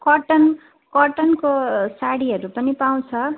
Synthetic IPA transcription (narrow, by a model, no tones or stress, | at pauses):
kʌʈʌn | kʌʈʌnkosaɽiɦʌɾupʌnipaw̃t͡sʰʌ